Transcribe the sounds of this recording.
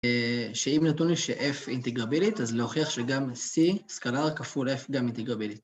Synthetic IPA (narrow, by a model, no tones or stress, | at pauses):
ʃeimnatunliʃeʔefint̪eɡʁabilit̪azlehoχiaχʃeɡamsiskalaʁkafulefɡamint̪eɡʁabilit̚